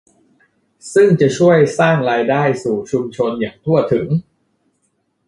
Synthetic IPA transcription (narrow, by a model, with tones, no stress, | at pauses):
sɯ˥˩ŋt͡ɕa˨˩t͡ɕʰu˥˩əjsaː˥˩ŋɾaː˧jdaː˥˩jsuː˨˩t͡ɕʰu˧mt͡ɕʰo˧njaː˨˩ŋt̪ʰu˥˩ɐət̪ʰɯ˩˦ŋ